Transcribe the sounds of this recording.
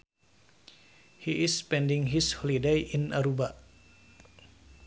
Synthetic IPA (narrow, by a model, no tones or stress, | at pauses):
hiʔɪspɛndiŋɦishɔlidejʔinaɾuba